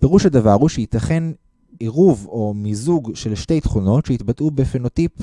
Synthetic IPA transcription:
pe̞ʁuʃhad̪avaʁuʃeit̪ɐχe̞n | eʁuvo̞mizuɡʃe̞lʃte̞jt̪χuno̞tʃeit̪batʔubefeno̞tip

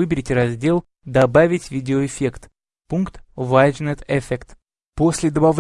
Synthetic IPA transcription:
ɨbʲɪɾʲɪtʲɾɐzʲdʲe̞lˠ | d̪ɐbavʲɪtʲvʲidʲɪoɪfʲe̞kt̪ | punkt̪vajd͡ʒnɛt̪ɛfʲekt̪ | posʲlʲɪd̪əbɐv

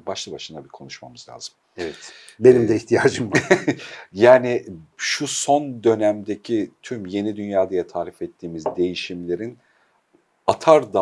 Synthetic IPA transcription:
baʃlˠɯbaʃɯnd̪abikʰo̞nuʃma̰mɯzlʲa̰ːz̥ɯm | ɛvɛt̪ | benimd̪ɛiçt̪ʰijaːd͡ʒɯmb | jaːniʃuso̞nd̪ø̞næmd̪e̞cʰit̪ʰymje̞nid̪ynjaːd̪ajat̪ʰaːɾifɛt̪ʰːiːmizd̪e̞jiʃimlʲe̞ɾin | at̪ʰaɾd̪a

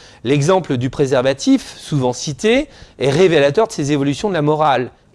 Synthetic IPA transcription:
lɛɡzɑ̃pləd̪ypχezɛʁvat̪ʰifsuvɑ̃sit̪eɛʁevelat̪œʁd̪əsezevɔlysjɔ̃d̪əlamɔʁal

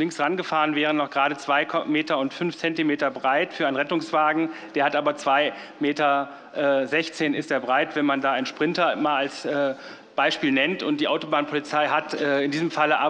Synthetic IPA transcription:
lɪŋksʁanɡəfaːʁənvɛːʁənːɔχɡ̥ʁaːɾət͡sv̥aɪkʰmeːtɐʊntfʏnft͡sɛntimeːtɐbʁaɪtfyːɐaɪnʁɛtʊŋsv̥aːɡŋ̩d̥eːɐhatʔaːbɐt͡sv̥aɪ | meːtɐ | ʔɛːzɛçt͡seːnɪstdeːɐbʁaɪtv̥ɛnmandaːaɪnʃpʁ̥ɪntɐmaːlalsʔɛː | b̥aɪʃpiːlnɛntʊnt̚d̥iːʔaʊtobaːnpʰɔlit͡saɪɦatɛːɪndiːzəmfaləʔa

